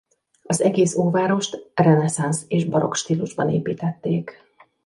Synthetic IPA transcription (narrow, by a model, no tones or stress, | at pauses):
ɒzɛɡeːsoːvaːɾo̞ʃt̪rɛnɛsanseːʒbɒɾo̞̰kʃt̪iːluʒbɒnḛːpiːt̪ɛt̪ːeːk